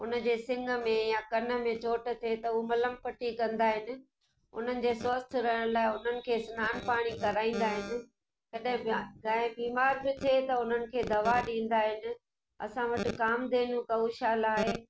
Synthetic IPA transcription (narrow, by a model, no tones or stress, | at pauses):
ʊnə̆d͡ʑeːsɪ̃ŋɡʱə̆mẽjakɐnə̆mẽt͡ɕoːʈə̆t̪ʰet̪ɐʊomɐləmpɐʈikɐ̃nd̪aːɦɪnɪ̆ | ʊ̰n̤ənɪ̆d͡ʑeːswɐst̪ʰɪ̆ɾɐɦɪɽ̃laːɪʊn̤ənɪ̆kʰeːsnaːnpaːɽ̃ikɐɾaːĩːn̆d̪aːɦɪnɪ̆ | kɐɗɦɪ̃ɡɐ̃ɦɪ̃biːmaːɾbɪt̪ʰeːt̪ɐʊn̤ənɪ̆kʰeːd̪ɐʋaɗĩːn̆d̪aːɦɪnɪ̆ | ɐ̰sãʋɐʈɪ̆kaːmd̪eːnũkɐʋuʃaːlaːɦeː